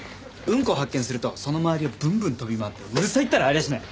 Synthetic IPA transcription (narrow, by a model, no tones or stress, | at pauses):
ɯ̟̃ŋko̞ːɦakːẽɰ̃sɨɾɯ̟t̪o̞so̞no̞maaɾʲiobɯ̟̃mbɯ̟̃nt̪o̞bʲimaːt̪ːe̞ɯ̟sait̪ːaɾaːɾʲid̪aɕinẽ